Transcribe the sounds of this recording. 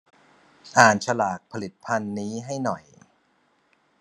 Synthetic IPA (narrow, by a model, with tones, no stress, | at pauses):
ʔaː˨˩nt͡ɕʰa˧laː˨˩k̚pʰa˧li˨˩t̪̚pʰa˧nːiː˦˥ɦa˥˩jnɔ˨˩j